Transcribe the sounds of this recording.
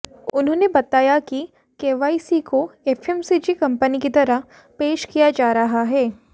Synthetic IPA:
ʊnɦõːnebɐt̪aːjaki | keːʋaːisiːkoɛfʰɛmsiːd͡ʒikɐ̃mpənikit̪ɐɾəɦ | peːʃkijad͡ʒaːɾɐɦaɦɛː

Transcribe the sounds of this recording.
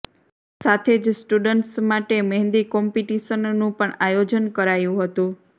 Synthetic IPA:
sat̪ʰed͡ʒsʈuɖəɳʈsmaʈeməɦɛ̃nd̪ikɔmpiʈiʃənːũpəɳajod͡ʒənkəɾajũɦət̪ũ

